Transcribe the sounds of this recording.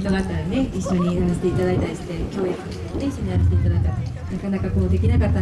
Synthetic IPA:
t̪onat̪ːaɾane̞iɕːo̞ɲ̟ianaɕt̪e̞it̪ad̪ait̪aɾʲisi̥t̪e̞kʲo̞ːjakɯ̥o | oneiɕːoɲ̟iaɾas̬t̪eit̪ad̪ait̪ːaɾ | nakanakako̞ːd̪e̞kʲinakat̪ːa

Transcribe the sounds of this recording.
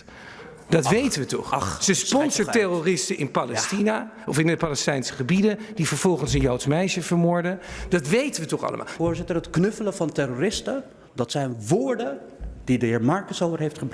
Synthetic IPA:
dɑtʋejtənʋətɔ̰χsəspɔnsəɹtɛrorɪstəʔɪnpalɛstina | ɔfɪndəpalɛstɛjnsə̥χəbidəd̥ivəɹv̥ɔlˠχənsənjowtmɛjʃəvəɹmʊːɹdəd̥ɑtʋejtənʋətɔχɑ̰lə̰ma̰ːlˠoːɹzɪtəɹɦətknɵfələvɑntɛɾorɪstə | dɑtsɛjnʋoːɹdə | d̥idəɦɪːɹmɑɹkəsowvəɹɦejftχəb

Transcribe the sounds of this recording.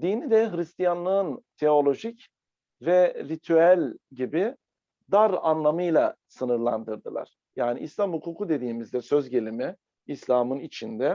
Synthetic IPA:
d̪iːnid̪ɛɦɾist̪ijanlˠɯɯnt̪ʰe̞o̞lʲo̞ʒic | vɛɾit̪ʰyælʲɟibi | d̪aɾanlˠamɯjlˠasɯnɯɾlˠa̰nd̪ɯɾd̪ɯlˠa̰ɾ̥ | jaːniʔislʲamhukʰuːkʰud̪e̞d̪iːmizd̪ɛsøzɟe̞lʲimɛ | islʲaːmɯnit͡ʃʰind̪ɛ

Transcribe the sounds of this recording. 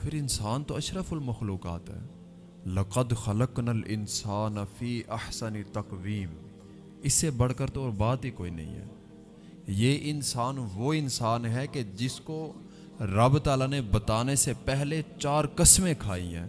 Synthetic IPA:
pʰɪɾɪnsaːnt̪oɐʃɾəfəlmɐxluːqa̰ːt̪ɦɛ̰ː | lɐqəd̪xɐləqnalʔɪ̰nsaːnafiːʔɐħsɐnt̪ɐqwiːm | ɪsːebɐɽ̤kəɾt̪oːɾbaːt̪ikoːḭnɐ̰ɦḭ̃ɦɛ̰ː | jeʔɪnsaːnʋoɪnsaːnɦɛked͡ʒɪsko | ɾɐbt̪aːlanebɐt̪aːnesepɛɦlet͡ʃaːɾkɪsmẽkʰaːḭ̃ɦɛ̰̃ː

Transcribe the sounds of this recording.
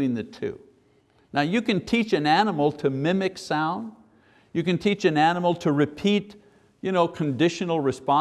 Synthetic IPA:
ĩnðɨtʰʉ̰ | naʊjɨkɨ̃ntʰit͡ʃɨ̃nænəml̩ˠtʰɨmɪ̃mɨksãʊ̃nd | jɨkɨ̃ntʰit͡ʃɨ̃nænəml̩ˠtʰɨɹɨpʰit | jɨñoʊkʰɨ̃n̩dɪʃɨnl̩ˠɹɨspɑ̃

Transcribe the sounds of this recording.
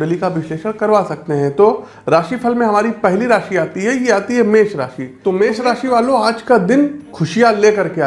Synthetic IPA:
ɖəlikaʋɪʃleːʃəɽ̃kɐɾʋasɐk̚t̪eɦɛ̃t̪o | ɾaːʃipʰɐlmẽɦɐmaːɾipɛɦliɾaːʃiaːt̪iɦɛjeaːt̪iɦɛmeːʃɾa̰ːʃit̪omeːʃɾaːʃiʋaːlõaːd͡ʒkad̪ɪnkʰʊʃijaleːkɐɾkea

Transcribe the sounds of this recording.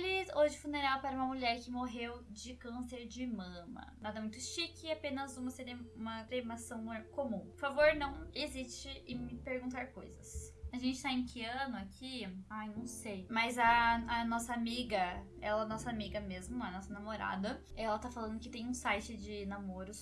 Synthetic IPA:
lioʒɪfuneɾawpaɾɐũmɐmuʎɛɾkɪmoɦewd͡ʒɪkɐ̃seɾd͡ʒɪmɐ̃mɐ̰nad̪ɐmũj̃t̪ʊʃikɪapẽnɐzũmɐseɾeũmɐt̪ɾemasɐ̃w̃ɛkomũpoɾfavoɾnɐ̃w̃ezist͡ʃɪɪmɪpeɾɡũñt̪aɾko̰jzɐsaʒẽnt͡ʃɪ̥t̪aẽkʰɪɐ̃nʊakʰiajnɐ̃w̃sejmɐzɐːnɔsɐamiɡɐ | ɛ̰lɐnɔsɐamiɡɐmezmʊɐnɔsɐnamoɾa̰d̪ɐ | ɛlɐt̪afalɐ̃nd̪ʊkɪt̪ẽj̃ũsajt͡ʃɪd͡ʒɪnamoɾʊs

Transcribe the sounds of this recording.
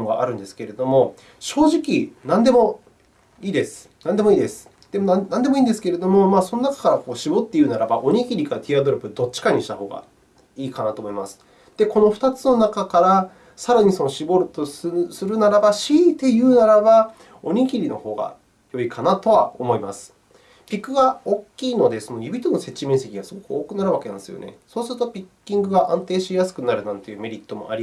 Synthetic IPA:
moɡa̰ʔa̰ɾɯ̟̃nd̪e̞sɨ̥ke̞ɾe̞d̪o̞mo̞ | ɕo̞ːʑikʲinãnd̪e̞mo̞ | iːd̪e̞sɨ̥ | nãnd̪e̞mo̞iːd̪e̞sɨ̥ | d̪̥emonãnd̪e̞moiːnd̪esɨ̥ke̞ɾe̞d̪o̞mo̞maːso̞no̞nakḁkaɾako̞ːɕibo̞t̪ːe̞jɯ̟ːnaɾaba̰ʔo̞ɲ̟ikʲiɾʲikaɾat̪ʲiad̪o̞ɾɯpɯ̟d̪o̞t͡ɕːi̥kaɲ̟iɕi̥t̪aho̞̰ːɡa̰ | iːkanat̪o̞ːmo̞imasɨ̥ | d̪̥e̞ko̞no̞ɸɯ̟̥t̪at͡sɨno̞nakakaɾa | saɾaɲ̟iso̞no̞ɕibo̞ɾɯ̟t̪ossɨɾɯ̟naɾabaɕiːt̪e̞jɯ̟ːnaɾaba | o̞ɲ̟iɡʲiɾʲino̞̰ho̞ːɡa̰ | jo̞ikʰanat̪o̞βa̰o̞̰mo̞imasɨ̥ | pʲikːɯ̟ɡaokʲːiːno̞d̪e̞so̞nojɯbʲit̪onose̞t͡ɕːimẽɰse̞kʲiɡasɨɡo̞kɯ̟oːkɯ̟naɾɯβakeã̰nsɨjo̞̰ne̞̰so̞ːsɨɾɯ̟t̪o̞pʲikʲːĩŋɡɯ̟ɡaʔãnt̪e̞ːɕijasɨ̥kɯ̟naɾɯ̟nãnt̪e̞jɯ̟ːme̞ɾʲit̪ːo̞mo̞̰a̰ɾi

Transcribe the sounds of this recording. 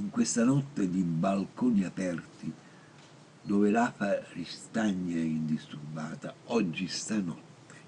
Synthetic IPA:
iŋkwest̪anɔt̪ːedibalkoːniapɛrt̪i | d̪ɔːvelaːfarist̪aɲːaɛind̪ist̪urbaːt̪aɔd͡ʒːist̪anɔt̪ːe̥

